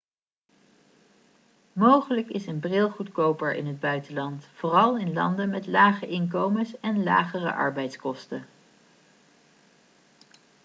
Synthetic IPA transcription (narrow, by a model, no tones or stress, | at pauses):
mowχələkɪsənbrɪlˠχutkowpəɹʔɪ̰nɦəd̚bœɥtəlɑntfoːrɑlˠɪnlɑ̰ndəmɛtlaːχəʔɪnk̬owməsɛnla̰ːχərə̰ʔɑ̰ɹbɛjtskɔstə